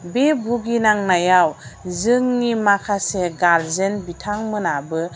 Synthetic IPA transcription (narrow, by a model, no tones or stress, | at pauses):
bebʱuɡinaŋnajawzɯŋnimakʰaseɡaɾzenbitʰaŋmɯnabɯ